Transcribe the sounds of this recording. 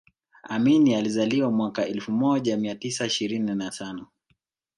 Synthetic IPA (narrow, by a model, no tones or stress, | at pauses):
aminializaliwamwakaɛlfumɔʄamiatisaiʃiɾininatʰanɔ